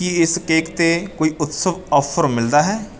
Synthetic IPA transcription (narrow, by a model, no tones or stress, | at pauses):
iɪskeːkt̪eːkoːiːʔʊt̪səʋɔːpʰəɾmɪld̪aːɦɛː